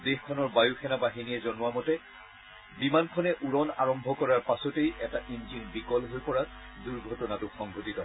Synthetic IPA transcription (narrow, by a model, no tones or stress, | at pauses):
dexkʰɔnɔɹbajukʰɛnabaɦiniɛzɔnʊwamɔtɛ | bimankʰɔnɛʔuɹɔna̰ɹɔmbʱɔkɔɹaɹpasɔtejɛtaʔinzinbikɔlɦojpɔɹa | duɹɡʱɔtɔnatʊxɔŋbʱotitɔ